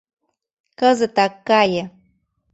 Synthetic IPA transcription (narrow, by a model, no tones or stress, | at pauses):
kəzət̪akːaja